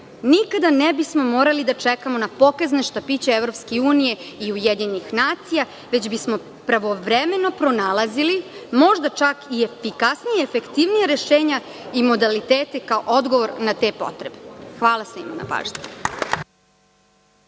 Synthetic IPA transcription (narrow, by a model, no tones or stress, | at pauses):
nikad̪anebismo̞mo̞ːɾalid̪at͡ʃekamo̞napo̞kazneʃt̪apit͡ɕeevɾo̞pskeuːnije̞iujed̪ɲenixnaːt̪sija | ʋe̞d͡ʑbismo̞ | pɾaʋoʋɾeme̞no̞pɾo̞nalˠazilimo̞ʒd̪at͡ʃakiefikasnijeefekt̪iʋnijaɾe̞ʃeːɲa | imo̞d̪alit̪eːt̪ekaoʔo̞d̪ɡoʋo̞ɾnat̪e̞ːpo̞̰t̪ɾebexʋaːlˠasḭmana̰pa̰ːʒne